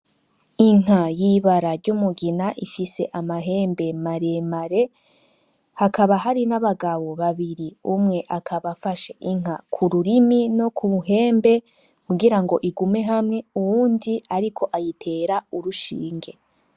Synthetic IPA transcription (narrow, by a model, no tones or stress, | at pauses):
iŋ̥ajiβaɾaɾɟumuɡinaʔifise̞ʔamaɦe̞ːmbe̞maɾe̞maɾe̞ | hakaβaɦaɾinaβaɡawo̞βaβiɾiumŋe̞ʔakʰaβafaʃe̞ʔiŋ̥akʰuɾuɾimino̞kʰuβuɦe̞ːmbe̞ | kuɡiɾaŋɡoʔiɡume̞ɦamŋe̞uwuːndiaɾikʰo̞ʔajitʰe̞ːɾauɾuʃḭːŋɡe̞